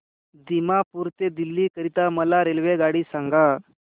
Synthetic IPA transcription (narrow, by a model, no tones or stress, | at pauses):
d̪imapuɾt̪ed̪ilːiːkəɾit̪aməlaɾelʋeɡaɽiːsãŋɡa